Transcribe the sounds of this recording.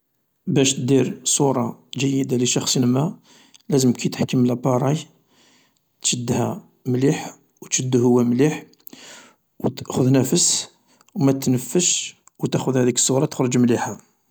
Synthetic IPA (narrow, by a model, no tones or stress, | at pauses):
bæʃt̪d̪iɾsˤuɾˤɑʒəjːəd̪aliʃɑxsˤnmæ | læzəmkʰæjt̪ħkːəmlæbɑɾˤɑj | t̪ʃəd̪ːhæ | mliħ | wt̪ʃəd̪ːhʊwːæmliħ | wt̪əʔxʊd̪næfəs | wmæt̪nəfːəʃ | wt̪æxʊd̪hæd̪ikə̥sˤːuɾˤɑt̪ə̥xɾˤəd͡ʒmliħa